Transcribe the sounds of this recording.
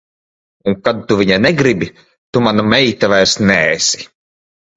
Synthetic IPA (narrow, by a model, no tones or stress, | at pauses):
uŋkad̪̚t̪uvʲiɲanɛɡɾibi | t̪umanamɛjt̪avajɾsnɛːsʲi̥